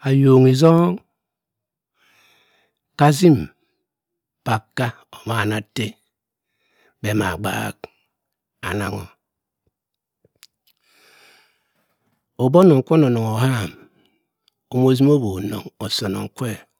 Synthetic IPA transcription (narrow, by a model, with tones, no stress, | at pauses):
a˨jo˨ŋi˨zo˦ŋ | ka˦zi˦m | pa˨kːa˦ | o˨ma˨na˨te˦ | be˨˦ma̰˨ɡ͡ba̰˦k | a̰˨na̰˨ŋo̰˨ | o˨bo˦no˨ŋ̩˨kʷe˦no˨no˨ŋo˨ha˦˨m | o˨m˦o˦zi˦m˦o˦bo˨no̰˨ŋo˨so˨no̰˨ŋ̩˨kʷe˦